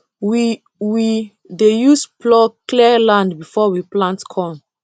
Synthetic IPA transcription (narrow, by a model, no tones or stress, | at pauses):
wi | wi | dejusplɔkliəlãndbifɔwiplãntkʰɔ̃n